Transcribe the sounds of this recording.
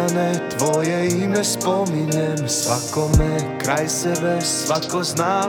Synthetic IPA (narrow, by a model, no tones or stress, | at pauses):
anɛt̪ʋɔjɛjimɛspɔmiɲɛmsʋakɔmɛkɾajsɛʋɛsʋat̪kɔznaː